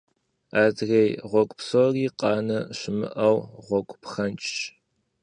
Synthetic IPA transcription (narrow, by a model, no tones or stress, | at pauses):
aːdɣejʁʷɔkʷʼpsoriːqʼɑːnɐɕɪmɨ̰ʔɐwʁʷɔkʷʼpxɐnt͡ʃʼɕ